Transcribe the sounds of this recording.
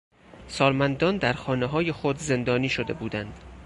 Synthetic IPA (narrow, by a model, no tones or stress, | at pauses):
sɒːlmænd̪ɒːnd̪æɾxɒːneɦɒːje̞xod̪ze̞nd̪ɒːniːʃod̪e̞̰buːd̪ænd̪̥